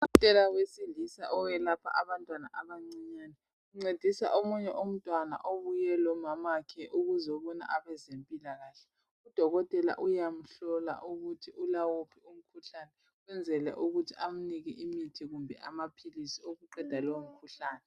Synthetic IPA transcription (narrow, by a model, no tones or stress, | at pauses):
um̩tʼɛlawesiɮisa̰ʔɔwɛlapʰa̰ʔaβantʼwana̰ʔaβaŋ͡ǀiɲaːni | uŋ͡ǀed̥ʱisa̰ʔomuɲɛʔom̩tʼwana̰ʔoβujɛlɔmamakʰɛʔuɣuzɔβɔna̰ʔaβɛzempʼilaɣaːɬɛ | ud̥ʱɔɣɔtʼɛla̰ʔujam̩ɬɔla̰ʔuɣutʰiʔulawopʰium̩kʰuɬanɛ | wɛnd͡zʱɛlɛ̰ʔuɣutʰiam̩niɣɛ̰ʔimitʰiɣumbʱɛ̰ʔamapʰilisioɣuǃɛd̥ʱalowm̩kʰuɬaːnɛ